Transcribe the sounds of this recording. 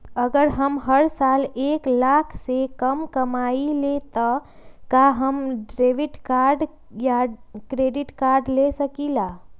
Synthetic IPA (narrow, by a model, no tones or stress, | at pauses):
əɡəɾɦəmɦəɾsaleklakʰsekəmkəmailet̪ə | kaɦəmɖɾeʋiʈkaɾɖ | jakɾeɖiʈkaɾɖlesəkila